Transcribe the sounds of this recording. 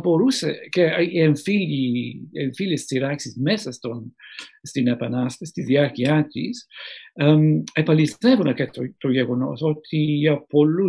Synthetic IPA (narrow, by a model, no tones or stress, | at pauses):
boɾusekeeɱfiʎieɱfilist͡siɾaksizmesɐst̪onst̪inepɐnast̪est̪izðiaɾkiat̪isamepɐlist̪evunɐket̪ot̪oʝeɣono̰sot̪ʰiɐpolu